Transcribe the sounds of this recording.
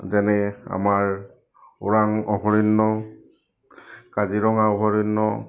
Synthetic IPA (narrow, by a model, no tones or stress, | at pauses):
zɛnɛa̰maɹ | ʊɹaŋɔɦɔɹinːɔ | kaziɹɔŋaɔɦɔɹinːɔ